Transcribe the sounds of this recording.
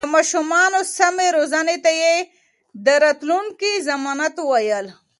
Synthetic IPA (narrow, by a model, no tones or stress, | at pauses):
əmaːʃumɑnosameɾozanet̪aje | d̪əɾat̪lunkizamɑːnat̪uwajəl